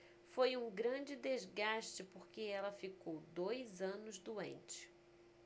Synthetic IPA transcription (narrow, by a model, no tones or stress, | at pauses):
fojũɡɾɐ̃d͡ʒɪd̪ezɡaʃt͡ʃɪpoɾkeɛlɐfikowd̪ojzɐ̃nʊzd̪uḛ̃nt͡ʃɪ̥